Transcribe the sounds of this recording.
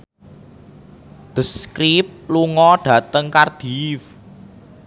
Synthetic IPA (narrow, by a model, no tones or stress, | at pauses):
d̪̥əskɾip̚luŋɔɖ̥ä̤t̪əŋkard̪̥if